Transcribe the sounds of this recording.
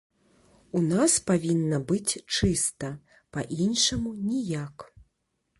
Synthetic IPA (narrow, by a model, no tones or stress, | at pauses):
unaspavʲinːɐbɨt͡sʲt͡ʂɨst̪ɐ | pɐʔinʂɐmunʲijak